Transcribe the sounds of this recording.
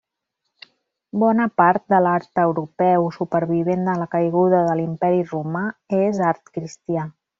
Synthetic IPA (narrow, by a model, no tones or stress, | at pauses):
bɔnəpaɾt̪̚d̪əlaɾt̪əwɾupɛwsupəɾβ̞iβ̞end̪ələkəjɣuðəðəlimpɛɾirumaezaɾt̪kɾist̪ia